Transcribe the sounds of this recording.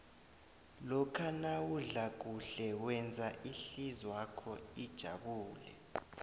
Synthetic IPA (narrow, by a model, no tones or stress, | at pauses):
lɔkʰanawuɮak̬ʼuɬɛwɛnd͡zʱaʔiɬizwakʰɔid̥ʒ̥ʱaɓuːlɛ̰